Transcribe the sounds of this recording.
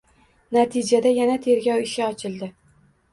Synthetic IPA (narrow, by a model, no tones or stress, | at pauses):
nat̪ʰɪd͡ʒad̪ajanat̪ʰe̞ɾɡʲɒwɪʃɪɒt͡ʃʰɪlˠd̪ɪ